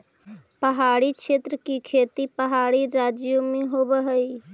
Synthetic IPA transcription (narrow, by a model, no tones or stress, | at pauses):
pəɦaːɽikʃeːt̪ɾəkikʰeːt̪ipəɦaːɽiɾaːd͡ʒjomẽɦoːbəɦəiː